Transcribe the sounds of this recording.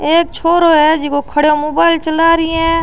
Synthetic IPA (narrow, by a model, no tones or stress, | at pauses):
eːk̚t͡ʃʰoːɾoɦɛd͡ʒɪkokʰəɽjomoːbaːɪlt͡ʃəlaːɾiɛ̃ː